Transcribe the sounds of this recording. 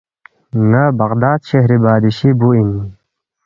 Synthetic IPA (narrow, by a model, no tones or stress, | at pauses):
ŋɐbɐqd̪aːd̪ɕeɦɾibaːd̪iɕibuini